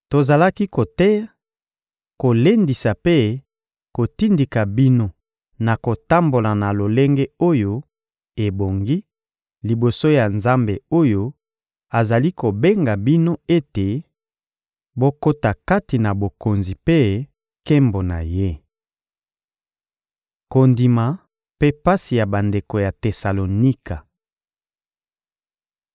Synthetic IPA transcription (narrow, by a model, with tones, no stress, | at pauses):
to˨za˨la˦ki˦ko˨tɛ˦ | ko˨le˦ndi˨sa˨pe˦ | ko˨ti˦ndi˨ka˨bi˦no˦ | na˨ko˨ta˦mbo˨la˨na˨lo˨le˦ŋɡe˦o˦jo˦ | e˨bo˨ŋɡi˦ | li˨bo˨so˦ja˨nza˦mbe˨o˦jo˦ | a˨za˨li˦ko˨be˦ŋɡa˨bi˦no˦e˦te˨ | bo˦ko˦ta˨ka˦ti˨na˨bo˨ko˨nzi˨pe˦ | kɛ˦mbo˨na̰˨je˦ | ko˨ndi˨ma˨ | pe˦pa˦si˨ja˨ba˨nde˨ko˨ja˨te˨sa˨lo˨ni˦ka˨